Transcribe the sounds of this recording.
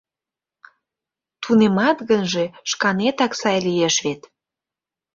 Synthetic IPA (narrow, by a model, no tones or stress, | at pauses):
t̪unemɑt̪ɣənʒe̽ʃkɑnet̪ɑksɑjlieʃβet̪